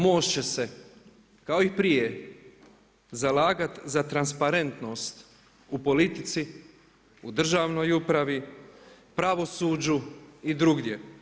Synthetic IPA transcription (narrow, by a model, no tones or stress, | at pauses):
moːʃt͡ɕe̞se̞ | kaoipɾije̞ | zalaːɡat̪zat̪ɾanspaɾe̞nt̪no̞ːst̪ | upo̞lit̪it̪si | ud̪r̩ʒaːʋno̞jupɾaʋi | pɾaʋo̞suːd͡ʑuid̪ɾuɡdʲje̞